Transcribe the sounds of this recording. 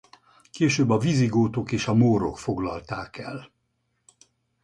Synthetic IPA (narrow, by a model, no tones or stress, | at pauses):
keːʃøːbːɒviziɡoːt̪o̞keːʃɒmoːɾo̞̰kfo̞ɡlɒ̰lt̪aːkɛl